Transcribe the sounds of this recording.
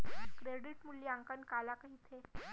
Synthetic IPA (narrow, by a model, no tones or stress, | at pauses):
kɾeɽiʈmulːjiaŋkənkalakəɦit̪ʰe